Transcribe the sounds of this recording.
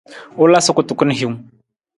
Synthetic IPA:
ʊ˦la˦sʊ˦kʊ˨tʊ˨kʊ˦n˦ɦi˦ŋ

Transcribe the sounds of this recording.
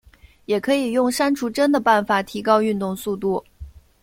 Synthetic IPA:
jɛ˨˩kʰɤ˧˥i˨˩jʊ˥˩ŋʂa˥nʈ͡ʂʰu˧˥ʈ͡ʂə˥nd̪ə˨pa˥˩nfa˨˩t̪ʰi˧˥kɑ˥ʊy˥˧nt̪ʊ˥˧ŋsu˥˧t̪u˥˩

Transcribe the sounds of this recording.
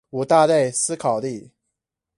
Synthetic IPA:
u˨˩t̪a˥˧t̪a˥˩ɪsɹ̩˥kʰɑ˨˩ʊli˥˩

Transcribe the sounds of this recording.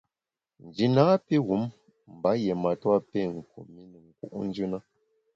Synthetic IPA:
n˨d͡ʒi˨naː˦pi˦ɣu˨˦m | m̩˨ba˨˦je˨ma˨twa˦pe˦˨ŋ̩˨kṵ˨mi˦nə˨ŋ̩˨kṵ˦ʔn̩˦d͡ʒʉ˦na˦

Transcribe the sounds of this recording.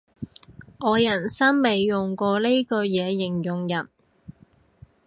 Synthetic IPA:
ʔɔː˨˧jɐ˨˩nsɐ˥ŋme˨˧jːʊ˨˩ŋkɔː˧le˥jkɵ˧jɛː˨˧jɪ˨˩ŋjʊ˨˩ŋjɐ˨˩n

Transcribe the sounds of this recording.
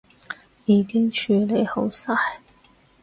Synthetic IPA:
jiː˨˧kɪ˥ŋt͡ʃʰyː˨˧le˨˧jho˨˥wsa˥j

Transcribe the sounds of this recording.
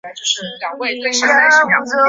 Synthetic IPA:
t͡ɕjo˥˧ʊʂɻ̩˥˩ljɑ˨˩ŋwe˥˧ɪt̪we˥˧ɪʂ̩˥˧a˥˧ɪi˥˩jɑ̰˨˩ŋ˥

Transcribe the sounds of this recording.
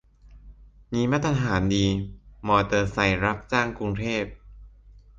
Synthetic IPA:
miː˧ma˦˥t̪ʰːa˧ɦaː˩˦ndiː˧mɔː˧t̪ɤː˧sa˧˩jɾa˦˥p̚t͡ɕaː˥˩ŋku˧ŋt̪ʰeː˥˩p̚

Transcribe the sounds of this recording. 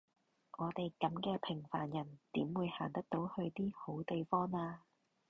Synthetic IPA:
ʔɔː˨˧t̪e˨jkɐ˨˥mkɛː˧pʰɪ˨˩ŋfa̰ː˨˩njɐ˨˩nt̪iː˨˥mwuː˨˧jhaː˨˩nt̪ɐ˥k̚t̪o˨˥whɵ˧ɥt̪iː˥ho˨˥wt̪e˨jfɔː˥ŋaː˧

